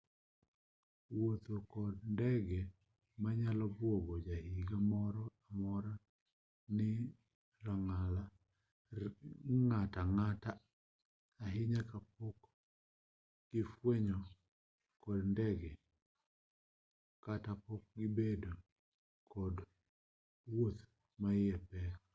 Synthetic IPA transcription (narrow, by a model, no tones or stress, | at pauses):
wot̪okɔdndɛɡɛ | maɲalɔbwoɡɔd͡ʒahiɡamɔɾɔamɔɾa | nɪ | ɾaŋala | ŋataŋataː | ɦɪɲakap̚ok | ɡ̥ɪfwɛɲɔ | kɔdndɛɡɛ | katapɔk̚ɡɪbedo | kʰɔd | wot̪ | maɪɛpɛ